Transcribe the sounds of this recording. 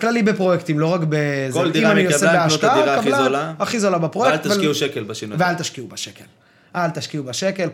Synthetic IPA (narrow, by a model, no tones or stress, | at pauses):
klalibepʁojekt̪imlo̞ʁakbezoliimanijosebeaʃlaaakalazolaaχizolabapʁojeklt̪iuʃekelbaʃinuvealt̪aʃkiubaʃekel | ʔalt̪aʃkiubaʃekel